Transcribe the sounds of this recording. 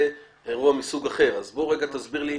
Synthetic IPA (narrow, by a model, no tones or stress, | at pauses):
e | eʁuamisuɡaχe̞ʁazbo̞ʁe̞ɡat̪azbiʁli